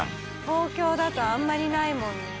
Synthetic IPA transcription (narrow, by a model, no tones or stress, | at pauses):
t̪o̞ːkʲo̞ːd̪at̪oãmːaɾʲinaimõnd̪e